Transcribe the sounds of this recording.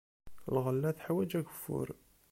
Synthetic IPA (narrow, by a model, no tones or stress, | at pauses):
lʁəlːæθħawæd͡ʒæʝəfːʊ̰ɾ